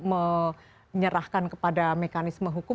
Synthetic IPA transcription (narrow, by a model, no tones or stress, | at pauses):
mə | ɲəɾahkankəpadamekanɪsməɦukʊ